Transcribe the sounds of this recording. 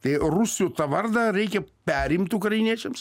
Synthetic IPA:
t̪ɐɪrʊsʲjoːt̪ɐʋɐrd̪ɐɾʲɛɪkʲɛpʲæːɾʲɪmʲt̪ʲʊkɾɐjɪnʲiɛt͡ʃʲɛms

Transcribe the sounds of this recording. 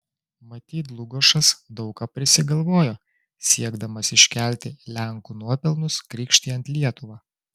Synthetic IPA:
mɐt̪ʲiːt̪lˠʊɡoʃɐsd̪ɒʊkɑːpʲɾʲɪsʲɪɡɐlˠʋoːjoː | sʲiɛɡd̪ɐmɐsɪʃʲkʲælʲt̪ʲɪlʲæŋkuːnuɔpʲɛlˠnʊskɾʲiːkʃʲt̪ʲiːɐnʲt̪ʲlʲiɛt̪ʊʋɑː

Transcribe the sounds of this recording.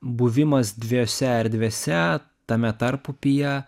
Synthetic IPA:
buʋʲɪmɐsd̪ʲʋʲisʲɛɪɾd̪ʲʋʲeːsʲɛ | t̪ɐmʲɛt̪ɐɾpʊpʲɪjɛ

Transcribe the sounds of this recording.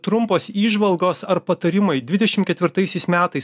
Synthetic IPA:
t̪ɾʊmpoːsiːʒʋɐlˠɡoːsɐɾpɐt̪ɐɾʲɪmɐɪd̪ʲʋʲɪd̪ʲɛʃʲɪmkʲɛt̪ʲʋʲɪɾt̪ɐɪsʲɛɪsmʲæːt̪ɐɪs

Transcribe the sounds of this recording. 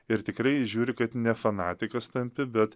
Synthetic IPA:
ɪɾt̪ʲɪkɾɐɪʒʲuːɾʲɪkɐt̪nʲɛfɐnɑːt̪ʲɪkɐst̪ɐmʲpʲɪbʲɛt̪

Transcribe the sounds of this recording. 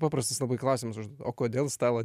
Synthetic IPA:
pɑːpɾɐst̪ɐslˠɐbɐɪklˠɑːsʲɪmɐsʊʒd̪uɔt̪oːkoːd̪ʲeːlˠst̪ɑːlˠɐ

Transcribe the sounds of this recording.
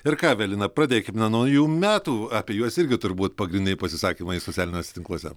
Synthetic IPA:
ɪɾkɑːʋʲɛlʲˠjɪnɐpɾɑːd̪ʲeːkʲɪmnʲɐnɐjuːmʲæːt̪uːɐpʲiɛjuɔsɪɾʲɡʲɪt̪ʊɾʲbuːt̪pɐɡɾʲɪnʲd̪ʲɛɪpɐsʲɪsɑːkʲiːmɐɪsott͡sʲæːlʲɪnʲoːsʲɛ̥t̪ʲɪŋklˠuɔsʲɛ̰

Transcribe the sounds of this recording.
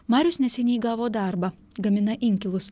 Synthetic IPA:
mɑːɾʲʊsnʲɛsʲɛnʲɛːɡɑːʋoːd̪ɑɾbɐ | ɡɐmʲɪnɐʔɪŋʲkʲɪlˠʊs

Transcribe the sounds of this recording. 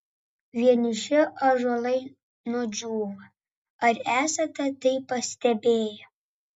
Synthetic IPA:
ʋʲiɛnʲɪʃʲɪʔɐʒolˠɐɪ | nʊd͡ʒʲuːʋɐ | ɐɾæːsɐt̪ɐt̪ɐɪpːɐsʲt̪ʲɛbʲeːjɛ

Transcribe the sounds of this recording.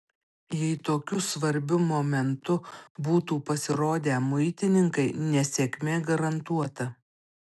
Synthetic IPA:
jɛɪt̪oːkʲʊsʋɐɾʲbʲʊmoːmʲɛnt̪ʊbuːt̪uːpɐsʲɪɾoːd̪ʲeːmʊɪt̪ʲɪnʲɪŋkɐɪnʲɛsʲɛkʲmʲeːɡɐɾɐnt̪uɔt̪ɐ

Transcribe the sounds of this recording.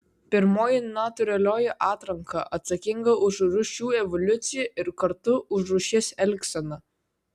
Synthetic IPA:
pʲɪɾmoːjɪnaːt̪ʊɾʲɛlʲoːjɛʔɑːt̪ɾɐŋkɐ̰ʔɐt̪sɐkʲɪŋɡɐʔʊʃɾʊʃʲuːɛʋɔlʲʊt̪sʲɪjɛɪɾkɐɾt̪ʊʔʊʃɾuʃʲɪsɛlʲksɐnɐ

